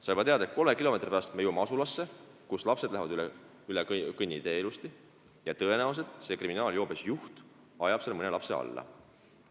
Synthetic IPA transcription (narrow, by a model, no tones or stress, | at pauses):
sɑjbɑt̪e̞ɑd̪ɑet̪̚ko̞lmekilo̞me̞t̪ripæɑst̪mejumɑsulɑsːe̞kuslɑpse̞d̪læɦvɑd̪ylɛ | ylekɯnʲːid̪e̞eːlust̪i | jɑt̪ɤe̞næuws̬e̞ld̪se̞kriminɑːljo̞ːbesjuht̪ | ɑjɑb̥selmɤne̞lɑpseɑ̰lːɑ̰